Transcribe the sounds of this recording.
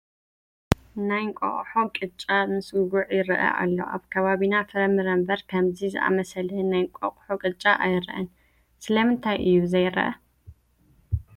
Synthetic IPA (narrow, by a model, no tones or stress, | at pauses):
najŋkʷʼo̰χʼħokʼɨt͡ʃʼamɨsɡuʕjɪɾɐʔɐ̰ʔa̰lːo̞̰ʔaβkʰɐβaβinafɨɾɐmɨɾɐmbɐɾkʰɐmzizɨ̰ʔa̰mɐsɐlnajkʷʼo̰qʼħokʼɨt͡ʃʼaʔajɾʔɐn | sɨlɐmɨnt̪ʰajʔɨjːuzɐjɾɐ̰ʔɐ̰